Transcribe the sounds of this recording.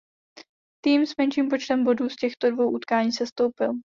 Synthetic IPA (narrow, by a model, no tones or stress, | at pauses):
t̪iːmsmɛnt͡ʃiːmpo̞t͡ʃt̪ɛmbo̞duːscɛxt̪o̞dvo̞wʔut̪kaːɲiːsɛst̪o̞wpɪl